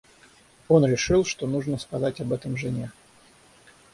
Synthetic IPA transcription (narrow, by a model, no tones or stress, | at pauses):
o̞nɾʲɪʂɨlˠʂt̪o̞nuʐnəskɐzatʲɐbɛt̪əmʐɨnʲe